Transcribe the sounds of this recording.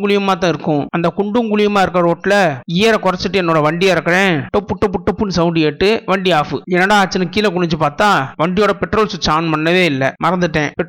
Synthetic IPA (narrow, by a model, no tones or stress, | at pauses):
ɡʊɭɪjɐmːaːt̪ːãːɪɾɯkːʊ̃ɐnd̪ɐkʊɳɖɯŋɡʊɭɪjɐmaːɪɾɯkːɾɐɾoːʈːlɐɪjɐɾɐkʊɾɐt͡ʃːɯʈːɯɛnːoːɽɐʋɐɳɖijaɾɐkːɐɽẽːʈɔpːɯʈːɔpːɯʈɔpːɯnsɐʋʊɳɖeːʈːɯʋɐɳɖiaːfɯɛnːɐɽaːt͡ʃːɐnɯkiːlɐk̬ʊɳɪɲt͡ʃːɯpaːɾt̪aːʋɐɳɖɪjoːɽɐpɛʈɾoːlsʊt͡ʃːaːnpɐnːɐʋeːɪlːɐmɐɾɐnd̪ɯʈːẽːpɛ